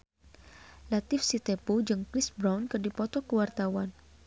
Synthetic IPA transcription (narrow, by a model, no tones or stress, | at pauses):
lat̪ɪfsit̪epud͡ʒɨŋkɾɪsbɾawnkɨrdipɔt̪ɔkəwart̪awan